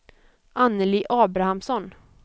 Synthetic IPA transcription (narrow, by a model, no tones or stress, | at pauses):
ʔanːəliːʔɑːbɾahamsɔn